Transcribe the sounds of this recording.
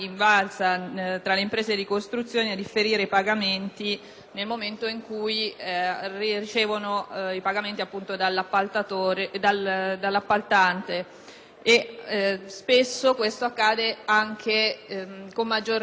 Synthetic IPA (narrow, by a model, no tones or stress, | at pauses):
iɱvalsat̪ɾaleimpɾeːzed̪ikost̪ɾut̪sːjoːnead̪ifːeɾiːɾeipaɡament̪i | nelmoment̪oiŋkuj | ririt͡ʃeːvonoipaɡament̪iapːunt̪od̪alːapːalt̪at̪oɾed̪ald̪alːapːalt̪ant̪eː | spesːokwest̪oakːaːd̪eaŋkʰe | komːad͡ʒːor